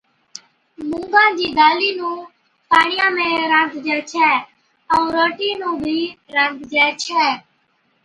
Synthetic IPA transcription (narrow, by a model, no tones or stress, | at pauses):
mʊ̃ŋɡãːd͡ʒiːɗ̪aːliːnũː | paːɳɪjãːmẽːɾə̃nɡ̪d͡ʒɛːt͡ʃʰɛː | ə̃ːɾoːʈiːnũːbʱiːɾə̃ɡ̪d͡ʒɛːt͡ʃʰɛː